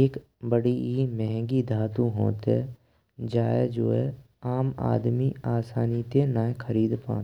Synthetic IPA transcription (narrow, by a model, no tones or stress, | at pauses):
eːk | bəɽiimɛɦŋɡid̪ʱaːt̪ũɦo̰ːt̪ɦɛ̰ | d͡ʒaːḛd͡ʒo̰ːɦɛ | aːma̰ːd̪miaːsaːnit̪enãːkʰəɾiːd̪pã̰ː